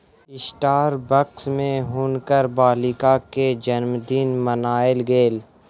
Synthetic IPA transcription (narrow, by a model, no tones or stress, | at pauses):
ɪsʈaːɾbəksmẽɦʊnkəɾbaːlɪkaked͡ʒənmd̪iːnmənaːɪlɡeːl